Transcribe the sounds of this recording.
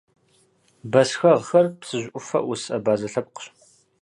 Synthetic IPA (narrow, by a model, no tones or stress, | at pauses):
bɐsxɐʁxɐrpsɨʑʷʔʷʊfɐ̰ʔʊsɐbaːzɐɬɐp̚qə̥ɕ